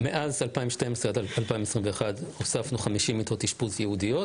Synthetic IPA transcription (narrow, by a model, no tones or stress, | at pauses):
meʔazalpaimʃtemesʁead̪aalpaimesʁimveeχadhosafnuχamiʃimːit̪ot̪iʃpuzjeudijo